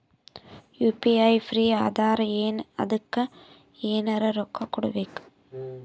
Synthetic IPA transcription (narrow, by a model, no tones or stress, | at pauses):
juːpiɐɪfɾiːaːðaːɾɐeːnɐ̰ðɯkːɐ | eːnɐɾɐɾɔkːɐkːʊɽɐ̰ʋeːkːɯ̥